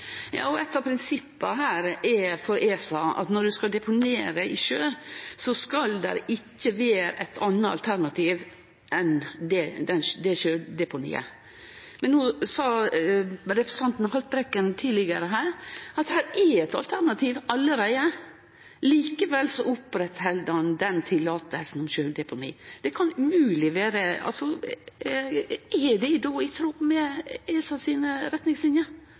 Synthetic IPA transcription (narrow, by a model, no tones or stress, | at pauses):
jɑ̰ːɔɛt̪ːɑpʰɾɪnsɪpːəɦæːɾɛfɔɾeːsɑʔɑ̰t̪nɔɖʉskɑld̪ɛpʰʊneːɾəʔɪʃøːsɔskɑld̪ɛ̰ɾɪcːəʋeːɾ̰ʔæɪt̪ʰɑnːəɑ̰lt̪ʰæɾnɑt̪ʰiːʋ | ʔɛnd̪ɛd̪ɛnd̪ɛçøːɾd̪ɛpʊnḭːə̰ | mɛnːuːsɑː | ɾɛpɾəsə̥ɑnt̪n̩hɑlt̪̚bɾɛkːənt̪ʰiːd̪lɪɡəɾəɦæːɾɑt̪hæːɾɛɛt̪ɑ̰lt̪ʰæɾnɑt̪ʰiːʋʔɑlːəɾæɪə | liːkəʋɛlsɔʊpɾɛt̪hɛld̪ɑnd̪ɛnt̪ʰɪlːɑːt̪əlsn̩ɔmɕøːd̪ɛpʰʊnḭːd̪̥ɛkʰɑnʉmʉːlɪʋæːɾəɑ̰lsɔ | ʔɛd̪ɛɪd̪oːɪt̪ʰɾuːɾmɛɛːsɑsiːnəɾɛt̪nɪŋslɪnjəɾ